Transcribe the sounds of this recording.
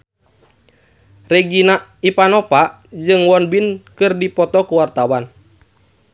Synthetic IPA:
rɛɡinaʔipanɔpaʔ | d͡ʒɨŋwɔnbinkɨrdipɔt̪ɔkuwart̪awan

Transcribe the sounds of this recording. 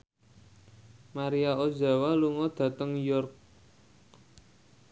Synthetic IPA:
maɾiao̥ʒa̤waluŋɔd̪̥ä̤t̪əŋjʊrk̚

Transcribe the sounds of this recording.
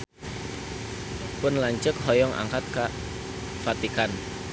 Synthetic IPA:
pʊnlaɲt͡ʃək̚ɦɔjɔŋa̰ŋkat̪̚ka | fat̪ikan

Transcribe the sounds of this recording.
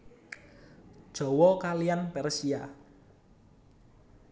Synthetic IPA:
d̥ʒ̥ɔ̤wɔkalijanpɛrsia

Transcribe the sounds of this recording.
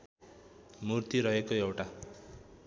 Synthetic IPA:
murt̪iɾʌɦekoewʈa

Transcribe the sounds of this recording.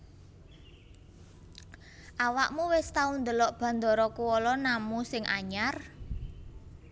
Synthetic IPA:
ʔawaʔmuwɪst̪aund̪ə̤lɔʔb̥a̤nd̪ɔ̤ɾɔkuwɔlɔnamusɪŋʔaɲar

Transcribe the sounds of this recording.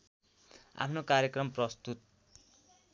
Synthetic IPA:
a̰pʰnokaɾjʌkrʌmprʌst̪ut̪̚

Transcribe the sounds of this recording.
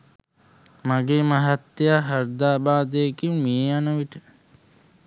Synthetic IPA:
maɡeːmaɦat̪ːejaɦaɾd̪aːbaːd̪əjekiumieanəʋiʈə

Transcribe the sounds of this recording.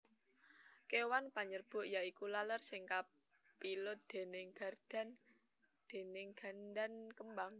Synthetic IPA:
kewanpaɲərb̥ʊ̤ʔjaikulalərsɪŋka | pilʊt̪̚d̪̥e̤nɪŋɡ̥a̤rd̪̥a̤n | d̪̥e̤nɪŋɡ̥a̤nd̪ankəmbaŋ

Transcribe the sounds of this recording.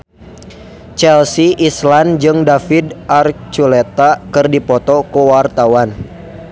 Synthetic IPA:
t͡ʃɛlsiʔisland͡ʒɨŋdafidʔart͡ʃulɛt̪akɨrdipɔt̪ɔkuwart̪awan

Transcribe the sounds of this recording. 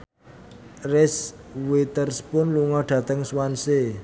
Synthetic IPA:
rɪswet̪ərspʊnluŋɔɖ̥ä̤t̪əŋswanse

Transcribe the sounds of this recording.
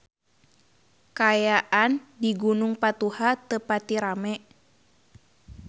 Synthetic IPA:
kajaʔandiɡunuŋpat̪uhat̪əpat̪iɾamɛ

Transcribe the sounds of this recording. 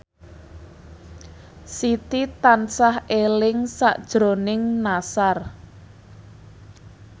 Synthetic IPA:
sit̪it̪ansahelɪŋsa̰ʔd̥ʒ̥ɾo̤nɪŋnasar

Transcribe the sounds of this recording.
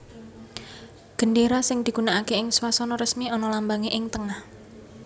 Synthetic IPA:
ɡ̥ə̤nɖeɾasɪŋd̪̥i̤ɡ̥unaakeɪŋswasɔnɔɾəsmiɔnɔlambaŋeʔɪŋt̪əŋah

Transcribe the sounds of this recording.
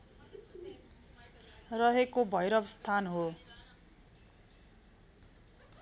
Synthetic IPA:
rʌɦekobʱʌjɾʌbst̪ʰanɦo

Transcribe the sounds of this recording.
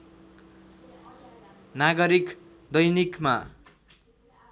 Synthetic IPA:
naɡʌɾik | d̪ʌjnikma

